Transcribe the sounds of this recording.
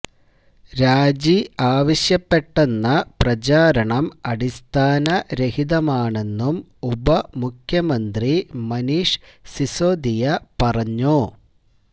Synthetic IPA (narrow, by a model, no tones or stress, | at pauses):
ɾaːd͡ʑiaːʋɐɕjɐpːeʈːenːɐprɐt͡ɕaːɾɐɳɐmɐɽist̪ʰaːnɐɾehiðɐmaːɳe̞nːum | ubɐmukʰjɐmɐnd̪rimɐniʂsisoːd̪ijɐpɐrɐɲːu